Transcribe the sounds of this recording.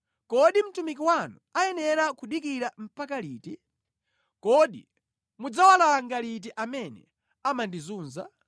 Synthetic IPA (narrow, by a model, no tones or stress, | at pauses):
kɔɗim̩tumikiwanuajɛnɛɾakuɗikiɾam̩pakaliːti | kɔɗḭ | mud͡zawalaŋɡalit̬iʔamɛnɛ̰ | amandizuːnza̰